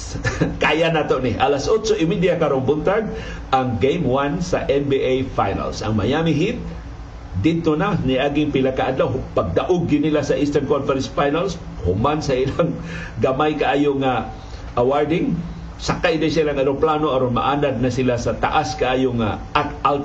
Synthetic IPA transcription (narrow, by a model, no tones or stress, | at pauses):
kajanat̪oʔnɪʔalasʔot͡ʃoʔɪmid̪jakaɾoŋbʊnt̪aɡ̚ | ʔaŋɡejmwansaʔɛnbiʔejfajna̰lsʔa̰ŋmajamɪɦit̪̚ | d̪ɪd̪̚t̪onanaʔaːɡɪŋpɪlakaʔad̪lawpaɡ̚d̪aʔʊɡ̚ɪnilasaʔinst̪ankonfɛɾɛnsfajnals | hʊmansailaŋ | ɡamajkaʔaːjoŋa | ʔawaɹd̪ɪŋ | sakajid̪ajsailaŋadoŋplanoaɾonma̰ʔaːlad̪̚nasilasat̪a̰ʔaskaʔaːjoŋa̰ʔat̪al